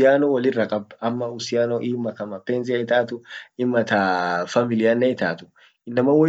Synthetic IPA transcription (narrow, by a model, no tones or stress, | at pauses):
jaːnɔwɐlɪrɐkʼɐbɐmːɐʊsɪjaːnɔʔɪmːɐkɐmɐpeːns̬ɪɐɪt̪aːt̪ʊɪmɐt̪afɐmɪlɪjanːɐɪt̪aːt̪ʊ̥ | ɪnːɐmɐwɐ